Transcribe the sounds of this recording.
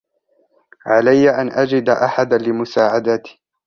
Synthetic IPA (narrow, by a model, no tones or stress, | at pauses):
ʕalajːaʔanʔad͡ʒɪd̪aʔaħad̪alɪmʊsaːʕad̪at̪i̥